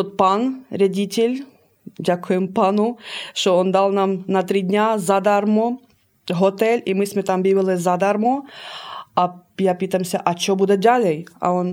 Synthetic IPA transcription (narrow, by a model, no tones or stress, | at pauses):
ɔt̪panɾʲadʲitʲelʲ | dʲakʊjɛmpanʊʃt͡ʃɔɔnd̪ɑlˠnɑmnɐt̪ɾɪdʲnʲazad̪armɔ | ɦɔt̪ɛlʲimɪsʲmɛt̪ambʲiʋɪlˠɪzad̪armɔ | ɐjapɪt̪ɐmsʲɐʔɐt͡ʃɔbud̪ɛd̪ʲalʲɛjɐ̰ɔn